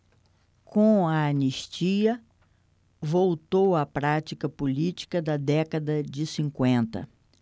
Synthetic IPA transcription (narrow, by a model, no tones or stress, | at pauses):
kõɐːniʃt͡ʃiɐ | vowt̪owɐpɾat͡ʃikɐpolit͡ʃi̥kɐd̪ɐd̪ɛkɐd̪ɐd͡ʒɪsĩŋkwẽnt̪ɐ̰